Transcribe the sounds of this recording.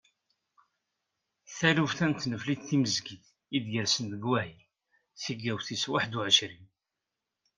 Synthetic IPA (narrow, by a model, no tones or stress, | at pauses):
θælufθænt̪ːnəflid̪θiməzɡiθ | id̪jəɾsənðəɡwæɦil | θiɡæwθiswaħd̪uʕəʃɾin